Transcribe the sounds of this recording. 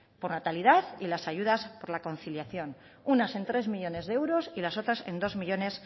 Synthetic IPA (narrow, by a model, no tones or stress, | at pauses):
po̞ɾnat̪aliðaθilasaʝuð̞aspo̞ɾlako̞n̟θiljaθjo̞n | unase̞nt̪ɾe̞zmiʎo̞ne̞zðeewɾo̞silaso̞t̪ɾase̞nd̪o̞zmiʎo̞ne̞s